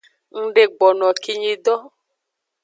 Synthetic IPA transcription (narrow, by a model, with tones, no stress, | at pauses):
ŋ̩˦ɖe˦ɡ͡bɔ˨nɔ̃˨ki˦ɲi˨dɔ˦